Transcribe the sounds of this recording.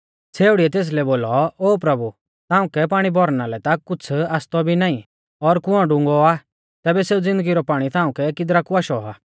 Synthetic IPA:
t͡sʰeːʊɽiɛt̪eːs̬lɛboːlɔoːpɾɐbu | t̪ãːũkɛp̬aːɽ̃ibɔɾnalɛt̪akʊt͡sʰaːst̪ɔbʱinaːĩ | ɔɾkʊɔ̃ɖʊ̃ŋɡɔa | t̪ɛːbɛseːud͡zɪ̃nd̪əɡiɾɔpaːɽ̃it̪ʰãːʊ̃kɛkɪd̪ɾakuaːʃɔaː

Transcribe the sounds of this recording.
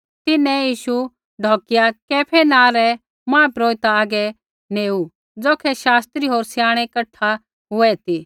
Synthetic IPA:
t̪ɪnɛ̃jiːʃu | ɖʱoːkɪjakɛːpʰɛnãːɾɛ | mãːpɾoːɪt̪aːɡɛ | neːu | d͡zoːkʰɛʃaːst̪ɾiɦoːɾsjaːɽ̃ɛkɐʈʰːa | ɦʊɛt̪iː

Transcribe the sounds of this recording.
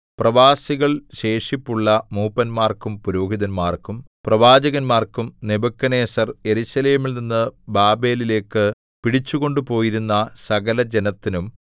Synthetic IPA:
prɐʋaːsiɣɐɭɕe̞ːʂipːuɭːɐmuːpɐnmaːrkumpuɾo̞ːɡiðɐnmaːrkumprɐʋaːd͡ʑɐɣɐnmaːrkumnebɐkːɐne̞ːsɐrje̞ɾuɕɐle̞ːmilninːɨbaːbe̞ːlile̞ːkːɨ | piɽit͡ɕːuɣo̞ɳɖupo̞ːjiɾunːɐsɐɣɐlɐd͡ʑe̞nɐt̪ːinum

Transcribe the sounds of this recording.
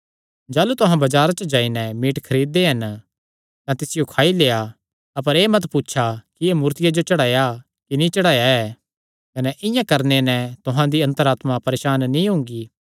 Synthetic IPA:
d͡ʒaːlut̪ʊɦãbɐd͡ʒaːɾat͡ʃəd͡ʒaːinɛ̃miːʈkʰɐɾiːd̪ːeɦɐn | t̪ãt̪ɪsɪjokʰaːileːa | ɐp̬əɾeːmɐt̪putːʃʰakiemuːɾt̪ɪjad͡ʒot͡ʃɐɽaːja | kinĩt͡ʃɐɽaːjaɛ | kɐnɛʔɪ̃jãkɐɾnenɛ̃t̪ʊɦãd̪iɐ̃nt̪əɾaːt̪mapɐɾeːʃaːnːĩɦʊ̃ŋɡi

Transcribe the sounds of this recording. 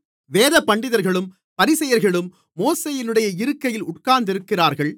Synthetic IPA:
ʋeːðɐpːɐɳɖɪðɐɾɣɐɭɯm | pɐɾɪsɐjɐɾɣɐɭɯmː | oːseːjɪnɯɽɐjɐɪɾɯkːɐjɪlʊʈ̚kaːɾnd̪ɪɾɯkːɪraːɾɣɐɭ

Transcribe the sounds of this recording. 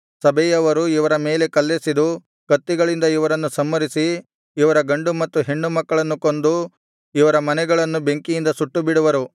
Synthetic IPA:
sɐbɛjɐʋɐɾuiʋɐɾɐme̞ːle̞kɐlːesid̪u | kɐt̪ːiɡɐɭind̪ɐiʋɐɾɐnːusɐmːɐɾisiː | ʋɐɾɐɡɐɳɖumɐt̪ːuɦe̞ɳːumɐkːɐɭɐnːuko̞nd̪u | iʋɐɾɐmɐnɛɡɐɭɐnːube̞ŋkijind̪ɐsuʈːubiɽuʋɐɾu

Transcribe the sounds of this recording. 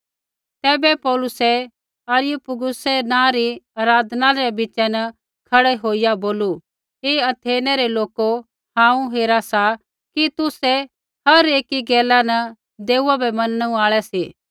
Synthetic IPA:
t̪ɛːbɛpɔːlʊsɛ | aɾjupʊɡʊsɛnãɾiaːɾaːd̪naɾɛbɪt͡ʃɛnɐ | kʰɐɽɛɦoːɪjaboːlu | ɦeːɐt̪ʰeːnɛɾɛloːko | hãːũɦeːɾasa | kit̪ʊsɛ | hɐɾeːkiɡɛːlanɐ | d̪eːuabɛmɐnəɽ̃ũaːɭɛsiː

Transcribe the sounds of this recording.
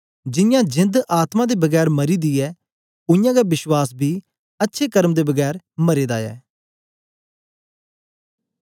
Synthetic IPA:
d͡ʒɪjãːd͡ʒɪ̃nd̪ʔaːt̪mãːd̪eːbəɡɛːɾməɾiːd̪iːɛː | ʊ̃jãːɡabɪʃwaːsbʱiː | ətːʃʰeːkəɾmd̪eːbəɡɛːɾ | məɾeːd̪a̰ːɛ̰ː

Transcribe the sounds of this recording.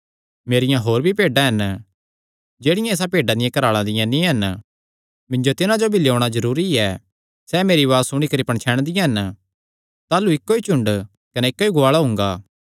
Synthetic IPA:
meːɾɪjãɦoːɾbʱipeːɖãɦɐn | d͡ʒeːɽɪjãeːs̬apeːɖãd̪ɪjãkɐɾaːɭãd̪ɪjãnĩɦɐn | mɪ̃ɲd͡ʒot̪ɪnãd͡ʒobʱɪlioːɽ̃azɐɾuːɾiɛ | sɛmeːɾiʋaːsʊɽ̃ikɐɾipɐɳ̃t͡ʃʰɛːɽ̃d̪ɪjãɦɐn | t̪aːluɪkːoit͡ʃʊ̃ɳɖ | kɐnɛɪkːoiɡʊaːɭaɦʊ̃ŋɡaː

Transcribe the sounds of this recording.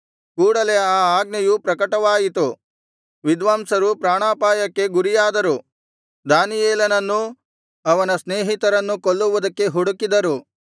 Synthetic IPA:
kuːɽɐle̞aːaːɡ̚nɐjupɾɐkɐʈɐʋaːjit̪u | ʋid̪ʋaːmsɐɾupɾaːɳaːpaːjɐkːe̞ɡuɾijaːd̪ɐɾu | d̪aːnijeːlɐnɐnːu | ɐʋɐnɐsneːɦit̪ɐɾɐnːukoɭːuʋud̪ɐkːe̞ɦuɽukːid̪ɐɾu

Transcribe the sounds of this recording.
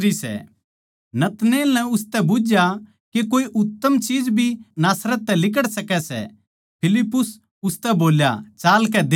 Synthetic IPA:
isɛ̰ | nɐt̪neːlnɛʊst̪ɛbʊd͡ʒja | kekoːiʔʊt̪ːəmt͡ʃiːd͡ʒbʱinaːsɾət̪̚ːɛlɪk̬əɽsɐkɛsɛ̰ | pʰɪlɪpːʊs | ʊst̪ɛboːlja̰t͡ʃaːlk̬ɛd̪e

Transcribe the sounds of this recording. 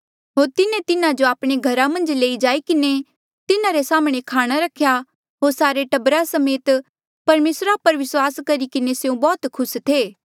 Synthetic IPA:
ɦoːɾt̪ɪnẽt̪ɪnãd͡ʒoaːpɽ̃eɡʱɐɾamɐ̃nd͡ʒleːid͡ʒaːikɪne | t̪ɪnãɾesaːmɽ̃ekʰaːɽ̃aɾɐkʰja | ɦoːɾsaːɾeʈɐbɾasɐmeːt̪ | pɐɾmeːsɾapɐɾʋɪswaːskɐɾikɪneseũbɔːt̪kʰʊst̪ʰeː

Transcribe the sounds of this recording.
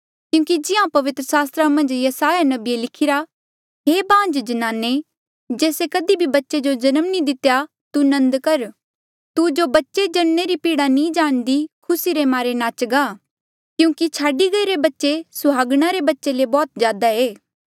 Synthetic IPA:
kjũːkid͡ʒɪãpɐʋɪt̪ɾəsaːst̪ɾamɐ̃nd͡ʒjɐsaːjanɐbielɪkʰɪɾa | ɦeːbãːnd͡ʒd͡ʒɐnaːnːe | d͡ʒeːsekɐd̪ibʱibɐtːʃed͡ʒod͡ʒɐnəmnĩd̪ɪt̪ja | t̪unɐ̃nd̪kɐɾ | t̪ud͡ʒobɐtːʃed͡ʒɐɽneɾipiːɽanĩd͡ʒaːɽ̃d̪ikʰʊsiɾemaːɾenaːt͡ʃɡaː | kjũːkit͡ʃʰaːɖiɡɐiɾebɐtːʃesʊɦaːɡɽ̃aɾebɐtːʃelebɔːt̪d͡ʒjaːd̪aeː

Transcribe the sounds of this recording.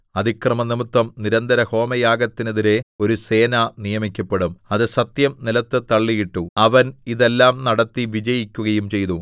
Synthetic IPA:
ɐðʱikrɐmɐnimut̪ːɐmniɾɐnd̪ɐɾɐho̞ːmɐjaːɡɐt̪ːineðiɾe̞o̞ɾuse̞ːnanijɐmikʲːɐpːe̞ɽumɐðɨsɐt̪jɐmnilɐt̪ːɨt̪ɐɭːijiʈːuɐʋɐniðe̞lːaːmnɐɽɐt̪ːiʋid͡ʑɐjikʲːuɣɐjumt͡ɕe̞jnu

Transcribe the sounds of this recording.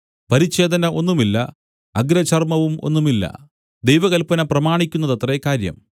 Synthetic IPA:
pɐɾiɕe̞ːd̪ɐnɐʔo̞nːumilːɐ̰ | ɐɡɾɐt͡ɕɐrmɐʋumo̞̰n̪ːumilːɐ̰ | d̪ejʋɐɣɐlpɐnɐprɐmaːɳikʲːunːɐðɐt̪rɐekaːɾjɐ̰m

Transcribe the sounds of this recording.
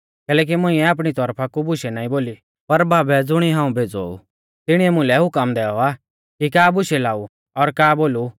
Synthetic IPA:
kɛːlɛːk̬imʊ̃ĩɛaːp̬ɽ̃it̪ɔɾpʰakubʊʃɛnaːĩboːli | pɐɾbʱaːbɛd͡zʊɽ̃iɦãːũbʱeːd͡zo̰ṵ | t̪ɪɽ̃iɛmʊ̃lɛɦʊkəmd̪ɛːɔa | kikaːbʊʃɛlaːu | ɔɾkaːboːlu

